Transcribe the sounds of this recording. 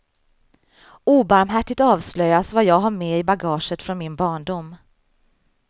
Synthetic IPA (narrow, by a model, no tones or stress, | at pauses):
uːbaɾmɦæʈːɪɡ̚t̪ɑːvslœjːasvajɑːɡɦaɾmɛɪbaɡɑːʂət̪fɾɔnmɪnbɑːɳɖʊmː